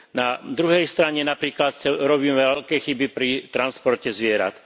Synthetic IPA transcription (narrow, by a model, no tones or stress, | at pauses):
nad̪ɾuɦɛjst̪ɾaɲɛnapɾiːklat̪̚sɛɾɔbiːmɛʋɛʎkɛːxibipɾit̪ɾanspɔɾcɛzʋɪɛɾa̰t̪